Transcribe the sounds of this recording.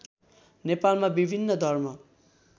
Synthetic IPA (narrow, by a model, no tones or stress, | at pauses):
nepalmabibʱinːʌd̪ʱʌrmʌ